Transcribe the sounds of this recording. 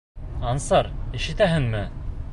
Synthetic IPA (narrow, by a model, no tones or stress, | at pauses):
ɑnsɑɾiʃɘ̆t̪æɦɘŋmɘ